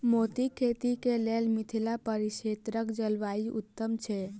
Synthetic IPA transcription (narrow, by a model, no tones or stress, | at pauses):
mot̪ikʰet̪ikeleːlmɪt̪ʰilapəɾɪʃet̪ɾəkd͡ʒəlʋaiʔʊ̰t̪ːəmt͡ʃʰe